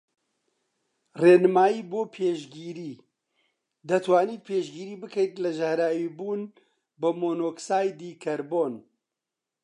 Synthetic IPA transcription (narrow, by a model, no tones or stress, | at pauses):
reːnɨmaːjiːboːpʰeːʃɡiːɾiː | d̪ɐt̪ʰwaːniːt̪̚pʰeːʃɡiːɾiːbɨkʰəjt̪lɐʒɐhɾaːwiːbuːn | bɨmoːnoːksaːjd̪iːkʰɐɾboːn